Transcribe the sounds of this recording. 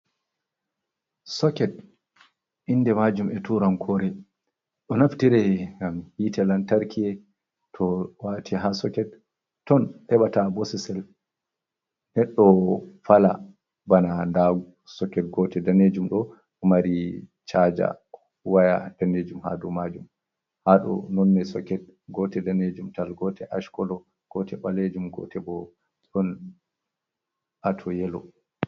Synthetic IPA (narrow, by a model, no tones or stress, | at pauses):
sɔkɛt̚ | ʔindɛmad͡ʒumɛtuɾankʰɔɾɛ | ɗɔnaftiɾɛɡamhitʰɛlantaɾkʰiɛ | tʰɔwatʰiɦasɔkɛt̚ː | ɔnhɛɓatabɔsɛsɛl | nɛɗːɔfala | banandaɡ | sɔkɛt̚ɡɔtɛdaned͡ʒumɗɔ | maɾit͡ʃad͡ʒa̰ | wajad̥aned͡ʒumha̰dɔmad͡ʒum | haɗɔ̰nɔnːɛsɔkɛt̚ɡɔtɛdaned͡ʒumtalɡɔtɛʔaʃkɔlɔ | ɡ̥ɔtɛɓaled͡ʒumɡɔ̰tʰɛbɔ | tɔn | ʔatʰɔjɛlɔ